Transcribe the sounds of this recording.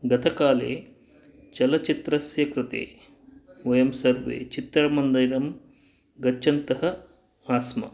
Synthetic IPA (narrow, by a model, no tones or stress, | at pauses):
ɡɐt̪ʰɐkaːlḛː | t͡ʃɐlɐt͡ʃit̪ɾɐsjɐkɾɪt̪ḛː | ʋɐjɐmsɐɾʋḛːt͡ʃit̪ːɐɽɐmɐnd̪ɐjɾɐm | ɡɐt͡ʃːt͡ʃːɐnt̪ɐɦɐ | aːsmɐ̰